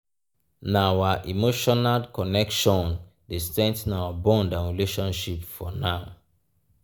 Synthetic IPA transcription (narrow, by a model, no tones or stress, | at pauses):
nawaʔimoʃɔnalkɔnɛkʃɔ̃n | destɛ̃ntnawabɔ̃ndãnɹileʃɔ̃nʃipfɔnaʊ